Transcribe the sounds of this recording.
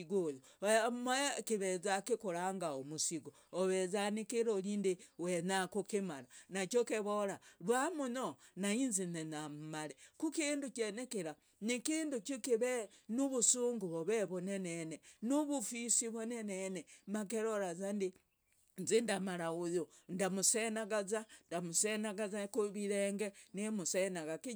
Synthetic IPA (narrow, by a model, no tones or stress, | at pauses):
iɡojoamekiβezakikuɾaːŋɡaomusiɡoːβezanikiɾolindiwenakukimaɾanat͡ʃjokeβoɾalwamunonainzinenammalekukiːndut͡ʃenekiɾa | nikiːndukikiβenuβusuːŋɡuβoβeβonenenenuβufisiβonenenemak̬eɾoɾazandi | nzindamaɾaujondamusenaɡazandamusenaɡazakuβiɾeːŋɡenimusenaɣaki